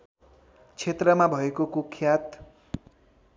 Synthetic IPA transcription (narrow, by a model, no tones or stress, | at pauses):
t͡sʰet̪rʌmabʱʌekokokʰjat̪